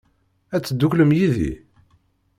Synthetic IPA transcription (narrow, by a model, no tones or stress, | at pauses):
æt͡sːd̪ːukləmjiðḭ